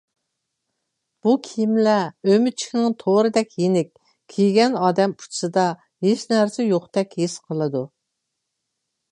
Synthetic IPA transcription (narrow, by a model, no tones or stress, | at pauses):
b̥ukʲʰijimlɛømyt͡ʃʰi̥kʲnɪŋt̪ʰoɾɨd̪ɛkʲjenɪkʲ | kʲʰijɡʲɛnɑːd̪ɛmpʰu̥t͡ʃʰsɨd̪ɑ | ɦeʃnæɾsɛjoχt̪ɛkʲhesqʰəlˠɨd̪u